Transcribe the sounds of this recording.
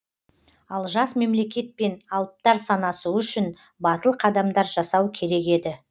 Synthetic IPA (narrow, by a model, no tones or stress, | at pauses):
ɑlˠʒɑsme̞mle̞kʲe̞t̪̚pe̞nɑlˠəp̚t̪ɑɾsɑnɑsəʏʃɪn | bɑt̪əlˠqʰɑd̪ɑmd̪ɑɾʒɑsɑwkʲʰe̞ɾe̞ke̞d̪ɪ